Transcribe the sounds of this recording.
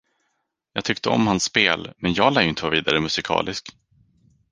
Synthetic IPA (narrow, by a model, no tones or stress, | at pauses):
jɑːɡt̪ʰʏk̚t̪ʰəɔ̰mhansːpeːlmɛnjɑːɡlæːjəʏɪnt̪əvaviːd̪aɾəmɵsɪkʰɑ̰ːlʔɪsk